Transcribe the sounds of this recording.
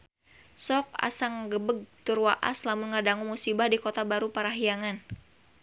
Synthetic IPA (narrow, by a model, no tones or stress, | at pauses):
sɔk̚a̰saŋɡəbəɡ̚t̪urwaʔa̰slamunŋadaŋumusibahdikot̪abaɾupaɾaɦiaŋan